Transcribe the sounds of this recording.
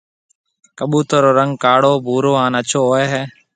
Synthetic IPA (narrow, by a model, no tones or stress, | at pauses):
kəɓuːt̪oːɾoːɾəŋɡkaːɽoːbʱuːɾoːaːnət͡ʃʰoːɦoːeːɦɛː